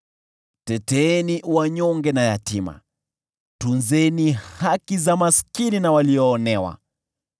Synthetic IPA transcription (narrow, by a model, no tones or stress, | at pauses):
tɛtɛːniwaɲɔŋɡɛnajatima̰ | tunzɛnihakizamaskininawaliɔːnɛwa̰